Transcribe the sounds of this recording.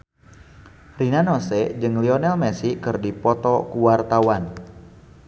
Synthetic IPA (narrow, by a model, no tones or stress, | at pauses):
rinanosɛd͡ʒɨŋliɔnɛlmɛsikɨrdipɔt̪ɔkuwart̪awan